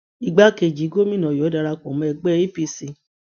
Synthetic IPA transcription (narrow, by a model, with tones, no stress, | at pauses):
i˨ɡ͡ba˨˦ke˧˨d͡ʒi˨˦ɡo˦mĩ˦nã˨jɔ˨˦da˧ɾa˧kɔ̃˨m̃˨˧ɛ˧ɡ͡bɛ˦i˦pi˧si˧